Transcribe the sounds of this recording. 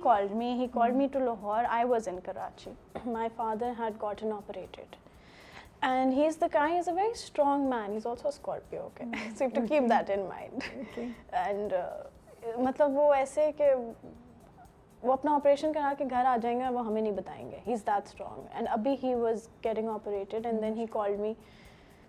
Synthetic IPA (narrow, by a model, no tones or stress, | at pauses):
hikɔːlɖmiɦikɔːlɖmiʈulɔɦɔːɾa̰ɪʋɔzɪ̃nkəɾa̰ːt͡ʃimaɪfaːd̪əɾɦæɖ̚ɡɔːʈə̃nɔpəɾeːʈʰɪ̰ɖ | ɛ̃nɖɦiːzd̪əkãɪ̃nizəʋɛɾisʈɾɔ̃ːŋmæ̃ːnɦiːzɔːlsoəskɔːɾpio̰ːkesefʈukiːp̚d̪æʈɪ̃nmã̰ɪ̃nɖokɛ̃ɳɖ | mɐt̪ləbʋoɛːseke | ʋoɐpnaɔpəɾeːʃə̃nkɐɾaːkeɡʱɐɾaːd͡ʒãːẽŋɡʋoɦɐmẽnɐɦĩbɐt̪a̰ːḛ̃ŋɡḛːɦiːzd̪ætsʈɾɔ̰̃ːŋɡɛ̰̃ɳɖɐbʱiɦiːʋɔzɡɛɾɪ̃ŋɔpəɾeːʈɪɖɛ̃nd̪ɛ̃nɦiːkɔːlɖmi